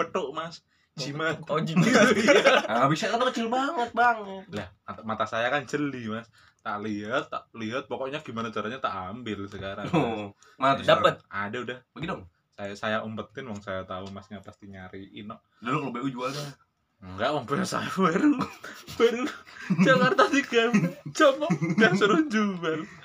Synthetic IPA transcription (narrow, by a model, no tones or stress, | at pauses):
bət̪oʔmas | t͡ʃimaod͡ʒiiabisaat̪akət͡ʃɪlbaŋət̪̚baŋət̪̚lahat̪amat̪asajakant͡ʃəlimas | t̪aʔliɦat̪ːa̰ʔliɦat̪̚pokɔʔɲaɡimanat͡ʃaɾaɲat̪aʔambɪlsəkaɾa | adapət̪̚adaudahbəɡit̪ɔŋ | sajasajaʔumpət̪ːɪnmaŋsajat̪aumasɲapast̪iɲaɾiʔɪ̰nɔʔ | dalɔklobeud͡ʒuaɾa | ŋɡaʔmaŋpuɲasa̰wɛɾubɛɾut͡ʃaŋaɾt̪asikamt͡ʃɔmɔjaŋsəɾud͡ʒuɡal